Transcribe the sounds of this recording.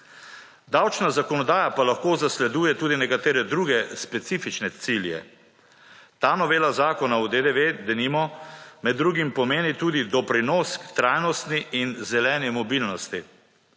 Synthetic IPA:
d̪awt͡ʃnazakɔnɔd̪aːjapalaxkoːzaslɛd̪uːjɛt̪uːd̪inɛkat̪eːɾɛd̪ɾuɡɛspɛt̪siːfit͡ʃnɛt̪siljɛ̰ | t̪aːnɔʋeːlazaːkɔnawd̪ed̪eʋed̪ɛnimɔmɛd̪ːɾuːɡimpɔmeːnit̪uːd̪id̪ɔpɾinɔːskt̪ɾaːjnɔst̪niinzɛlɛːnɛmɔbilnɔst̪i

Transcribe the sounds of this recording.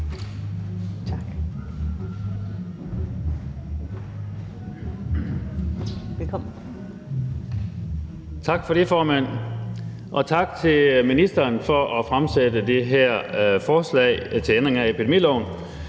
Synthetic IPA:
t͡sʰ | ʋelkʰɒm | t͡sʰɑ̈ɡ̥fɒ̽ɾe̝fɒːmæn̰ | ʔɒ̽t͡sʰɑ̈ɡ̥̚t͡sʰe̝lminisd̥ɐːnfɒ̽ʔɒfʁamsedəd̥e̝ɦæɐ̰fɒːslɛ̰ːɪt͡sʰe̝end̥ʁeŋæe̝pʰid̥emḭːlɒ̰ʊ̰n

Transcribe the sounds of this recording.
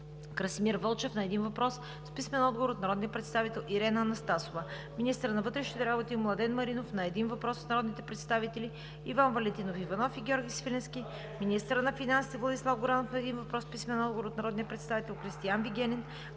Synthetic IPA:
kɾɐsmiɾvɤlˠt͡ʃɛfnɐɛd̪invɐpɾɔs | spismɛnɔd̪̚ɡovoɾot̪nɐɾɔd̪nijəpɾɛt̪st̪avit̪ɛlˠʔiɾɛnɐːnɐst̪asovə | minist̪əɾnɐvɤt̪ɾɛʃnit̪ɛɾabot̪imlˠɐd̪ɛnmɐɾinofnɐɛd̪invɐpɾɔsːnɐɾɔd̪nit̪ɛpɾɛt̪st̪avit̪ɛli | ivanvɐlɛnt̪inofivɐnɔfiɡʲɔɾɡʲisvilɛnskʲi | minist̪əɾənɐfinansit̪vlˠɐd̪islˠafɡoɾanofnɐɛd̪invɐpɾɔspismɛnɔd̪ɡovoɾot̪nɐɾɔd̪niəpɾɛt̪st̪avit̪ɛlˠkɾist̪ijanviɡʲɛnɛn

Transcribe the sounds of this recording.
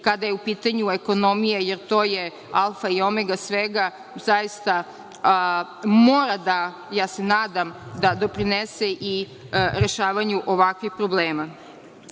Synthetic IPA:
kad̪ajeupiːt̪aɲueko̞no̞mijejeɾt̪o̞ːje | alˠfaio̞meɡasʋeɡa | zajist̪a | moːɾad̪a | jaːsenaːd̪amd̪ad̪o̞pɾineseʔi | ɾe̞ʃaːʋaɲuʔoʋakʋixpɾobleːma

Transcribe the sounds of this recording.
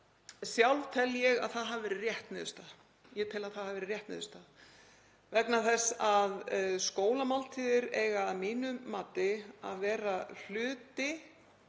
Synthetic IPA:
sjawlvt̪ʰɛlːjɛɣa̰ðθaðɦavvɛːɾɪrjɛht̪nɛːðʏst̪a | jɛt̪ʰɛlaðθaðhaðvɛːɾɪɾrjɛht̪nɛ̰ːðʏst̪að | vɛknaθɛsːaðskoːwlamalt̪ʰiːðɪɾɛɣamiːnʏmːaːt̪ɪa̰ðvɛːɾal̥ʏːt̪ɪ

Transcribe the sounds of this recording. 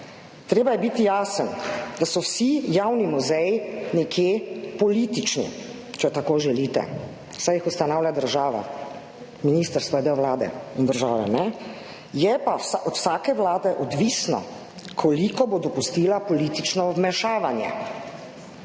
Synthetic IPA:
t̪ɾeːbajɛbit̪ijaːsənd̪asɔwsijawnimuzɛjnɛkʰjeːpɔliːt̪it͡ʃnḭ | t͡ʃɛt̪akoːʒɛlit̪ɛ̰ | sajixust̪anaːwlʲad̪əɾʒaːʋa̰ | miniːst̪əɾst̪ʋɔd̪eɔʋlaːd̪ɛ̰ind̪əɾʒaːʋɛ̰nɛ | jɛpawsʔɔt̪w̥saːkɛʋlaːd̪ɛʔɔd̪ʋiːsnɔ̰ | kʰɔlikɔbod̪ɔpust̪iːlapɔlit̪it͡ʃnɔwmɛʃaːʋanjɛ̰

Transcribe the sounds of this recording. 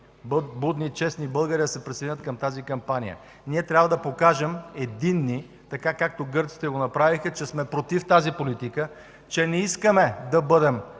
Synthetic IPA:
bud̪nit͡ʃɛsnibɤlˠɡəɾid̪ɐsɛpɾised̪inʲət̪kɐmt̪azikɐmpanḭjə̰ | niɛt̪ɾʲabvəd̪ɐpokaʒɛmɛd̪inːi | t̪ɐkakak̚t̪oɡɤɾt̪si̥t̪ɛɡonɐpɾavixət͡ʃɛsmɛpɾot̪ift̪azipolit̪ikə | t͡ʃɛnɛiskəmɛd̪ɐbɤd̪ɛm

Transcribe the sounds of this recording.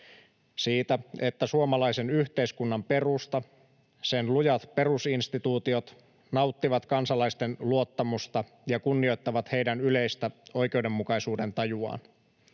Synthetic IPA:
siːt̪æe̞t̪ːæsuomɑlɑjse̞nyçt̪e̞iskunːɑmpe̞rust̪ɑ | senlujɑt̪pe̞rusinst̪it̪uːt̪io̞t̪ | nɑwt̪ːiʋɑt̪kɑnsɑlɑist̪e̞nluo̞t̪ːɑmust̪ɑ | jɑkunːio̞jt̪ːɑʋɑt̪hejdænyle̞jst̪æo̞jk̟e̞ude̞mːukɑjsuːde̞nt̪ɑjuɑ̰ːn

